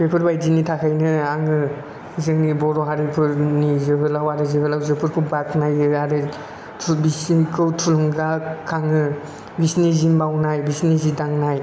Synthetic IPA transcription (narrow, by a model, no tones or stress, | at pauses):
pʰepʰɯɾbajdinitʰakʰajnɯaŋɯ | zɯŋnibɔɾɔɦaɾipʰɯɾnizɯbɯlawaɾɯzɯbɯlawzɯpʰɯɾpʰubat̚najɯaɾɯ | bisikʰɯwtʰuluŋɡakʰːaŋɯ | bisnizimbawnajbisnizidaŋnaj